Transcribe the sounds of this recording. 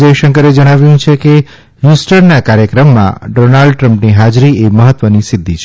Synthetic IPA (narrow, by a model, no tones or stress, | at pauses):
d͡ʒəjʃəŋkəɾed͡ʒəɽ̃aʋjũt͡ʃʰeke | ɦusʈəɾnakaɾjəkɾəmːã̰ɖonaɭɖʈɾəmpniɦad͡ʒɾieməɦət̪ʋənisɪd̪ʱːit͡ʃʰe